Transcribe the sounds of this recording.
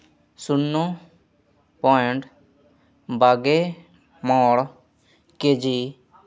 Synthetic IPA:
sʊnːõː | pɔːɪɳʈ | baːɡeː | mɔːɽ | keːd͡ʒiː

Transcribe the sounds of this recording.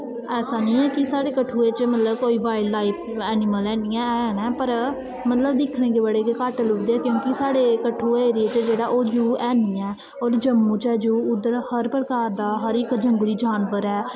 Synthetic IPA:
ɛːsaːnĩːɛːkɪsaːɽeːkəʈʰuːeːt͡ʃmət̪ləb̚koːiːʋaːɪlːaːɪpʰɛːnɪməlɛːniːɛ̃ːɛːnɛ̃ːpəɾ | mət̪ləbd̪ɪkʰɽẽːɡeːbəɽeːkekaːʈəlʊkd̪eːɛːkjõːkɪsaːɽeːkəʈʰːuːeːɾɪeːt͡ʃd͡ʒeːɽaːʔoːd͡ʒuːɛːniːɛː | ɔːɾd͡ʒəmːũːt͡ʃɛːd͡ʒuːʊd̪əɾhəɾpɾəkaːɾd̪aːɦəɾɪkd͡ʒəŋɡliːd͡ʒaːnʋəɾɛː

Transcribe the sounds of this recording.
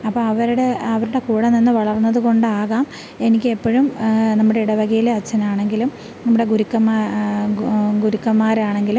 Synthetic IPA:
ɐpːɐːɐʋɐɾuɽeɐʋɐɾuɽe̞kuːɽɐninːɨʋɐɭɐrnːɐðuko̞ɳɖɨaːɣaːm | e̞nikʲːɨe̞pːɐɻumnɐmːuɽe̞iɽɐʋɐɣɐjileɐt͡ɕːɐnaːɳe̞ŋɡilum | nɐmːuɽe̞ɡuɾukːɐmːa | ɡuɾukːɐmːaːɾaːɳeŋɡilum

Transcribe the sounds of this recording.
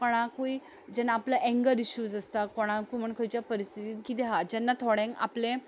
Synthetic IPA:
koɽ̃akui | d͡ʑɛnːaːplaʔɛŋɡəɾiɕuːd͡zəst̪akoɽ̃ãkum̤əɳkʰəjt͡ɕjapəɾist̪ʰit̪iːnkit̪ɛɦad͡ʑɛnːat̪ʰoɽɛ̃ŋa̰plẽ

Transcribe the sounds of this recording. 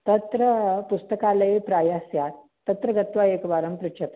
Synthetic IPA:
t̪ɐt̪ɾəpust̪əkaləepɾajasjat̪ | t̪ːɐt̪ɾəɡɐt̪ʋaekʋaɾəmpɾut͡ʃʰɐt̪

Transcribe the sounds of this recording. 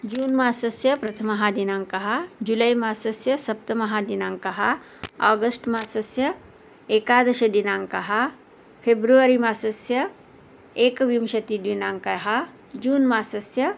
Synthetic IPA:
d͡ʒuːnmaːsɐsjɐpɾɐt̪ʰɐmɐɦad̪inaːŋkɐɦɐd͡ʒulɐjmaːsɐsjɐsɐp̚t̪ɐmɐɦaːd̪inaːŋkɐɦɐ | aːɡɐsʈmaːsɐsjɐ | eːkaːd̪ɐʃɐd̪inaːŋkɐɦɐ | pʰebɾuʋɐɾimaːsɐsjɐ | eːkʋimʃɐt̪id̪ʋinaːŋkɐɦɐ | d͡ʒuːnmaːsɐsjɐ

